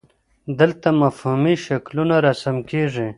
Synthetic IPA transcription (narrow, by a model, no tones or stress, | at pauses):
d̪əlt̪amafhumiʃaklunaɾasamkeʐi